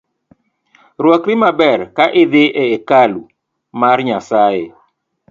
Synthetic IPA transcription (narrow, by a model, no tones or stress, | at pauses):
rwɔkɾɪmabɛrkaʔɪd̪eʔeːkalu | marɲasaje